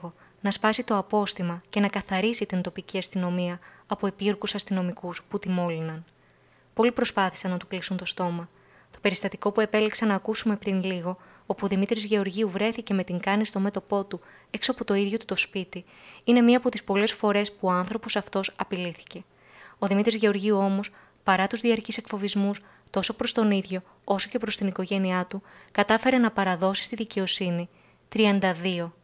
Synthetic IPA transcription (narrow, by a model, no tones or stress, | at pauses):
ɣo̞ | nɐspɐsit̪o̞ɐpo̞st̪imɐce̞nɐkɐθɐɾisit̪int̪o̞piciɐst̪ino̞miɐɐpo̞epioɾkusɐst̪ino̞mikusput̪imo̞linɐn | po̞lipɾo̞spɐθi̥sɐnɐt̪u̥klisunt̪o̞st̪o̞mɐ | t̪o̞̥pe̞ɾist̪ɐt̪iko̞pue̞pe̞liksɐnɐːkusume̞pɾinliɣo̞ | opuðimit̪ɾizʝe̞oɾʝiuvɾe̞θice̞me̞t̪iŋɡɐnist̪o̞me̞t̪o̞po̞t̪u | e̞ksoɐpot̪o̞iðʝo̞t̪u̥t̪o̞spit̪i | ine̞miɐːpo̞t̪ispo̞le̞sfo̞ɾe̞spuoɐnθɾo̞po̞sɐft̪o̞sɐpiliθi̥ce̞ | o̞ðimit̪ɾizʝe̞o̞ɾʝiuo̞mo̞s | pɐɾɐt̪uzðiɐɾcise̞kfo̞vizmus | t̪o̞so̞pɾo̞st̪o̞niðʝo̞ | o̞so̞̥ce̞pɾo̞st̪iniko̞ʝe̞niɐt̪ukɐt̪ɐfe̞ɾe̞nɐpɐɾɐðo̞si̥st̪iðice̞o̞sini | t̪ɾiɐnd̪ɐðio̞